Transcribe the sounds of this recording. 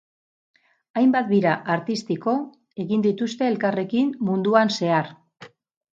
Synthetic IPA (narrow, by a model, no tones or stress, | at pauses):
ajmbat̪biɾaʔaɾt̪ist̪iko̞ | e̞ɣind̪it̪ust̪e̞ːlkare̞kimmund̪uanse̞aɾ